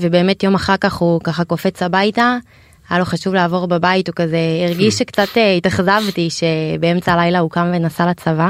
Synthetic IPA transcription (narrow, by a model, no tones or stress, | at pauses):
vebe̞ːmetjo̞maχaʁkaχhukaχako̞fet͡sabajta | ajalo̞χaʃuvleːvo̞ʁbabaitukazeiʁɡiʃekt͡sateitaχzavtiʃe̞beemt͡salajlaukamvenasalat͡sava